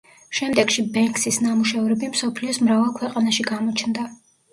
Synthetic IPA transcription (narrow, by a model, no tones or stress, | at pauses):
ʃɛmd̪ɛɡ̥ʃibɛŋkʼsisnamuʃɛvɾɛbimsɔpʰliɔsmɾavalˠkʰwɛqʼanaʃiɡamɔt͡ʃʰnd̪a